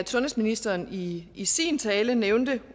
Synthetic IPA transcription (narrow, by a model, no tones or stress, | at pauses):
t͡sʰɔ̽nhe̥sminisd̥ɐːniisḭːnt͡sʰɛːləneʊnd̥ə